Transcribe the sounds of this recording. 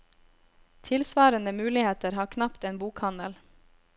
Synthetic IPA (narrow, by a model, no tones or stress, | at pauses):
t̪ʰɪlsʋɑːɾənəmʉːlɪheːt̪əɾhɑːkʰnɑpt̪eːnbuːkhɑnəl